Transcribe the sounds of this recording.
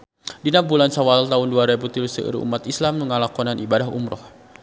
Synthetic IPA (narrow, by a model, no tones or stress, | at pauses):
dinak̚bulansawalt̪aʊnduaɾebut̪ilusəə̰ɾṵmat̪islamːəŋalakɔnanʔibadaɦṵmɾɔ̰h